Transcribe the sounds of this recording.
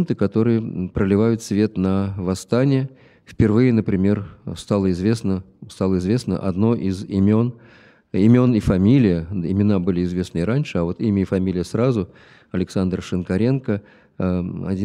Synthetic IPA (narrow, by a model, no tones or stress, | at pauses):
nt̪ɨkɐt̪o̞ɾɨjəpɾəlʲɪvajʊt̪svʲe̞t̪nəvɐst̪anʲɪjə | fpʲɪrvɨjənəpɾʲɪmʲe̞rst̪alˠəɪzvʲe̞snəst̪alˠəɪzvʲe̞snə̰ʔɐ̰d̪no̞ʔɪzɪmʲo̞n | ɪmʲo̞nɪfɐmʲilʲɪjəɪmʲɪnabɨlʲɪɪzvʲe̞snɨɪɾanʲʂɨɐvo̞t̪imʲəɪfɐmʲilʲɪjəsɾazʊ | ɐlʲɪksand̪rʂɨnkɐɾʲe̞nkə | ɐ̰dʲi